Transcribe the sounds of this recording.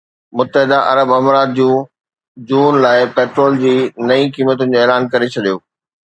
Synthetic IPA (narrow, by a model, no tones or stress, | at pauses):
mʊt̪ːəɦɪd̪aʔɐ̰ɾəbɐmɾaːt̪̚d͡ʑũː | d͡ʑuːnlaːɪpeːʈɾoːld͡ʑiːnɐĩkiːmət̪ʊnɪ̆d͡ʑoːeːlaːnkɐɾet͡ɕʰɐɗijoː